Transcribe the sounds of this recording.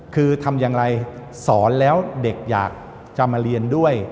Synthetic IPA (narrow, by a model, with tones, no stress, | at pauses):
kʰɯː˧t̪ʰa˧mjaː˧ŋɾa˧j | sɔː˩˦nlɛː˦˥wde˨˩k̚ja̰ː˨˩k̚ | t͡ɕa˨maː˧ɾi˧əndu˥˩əj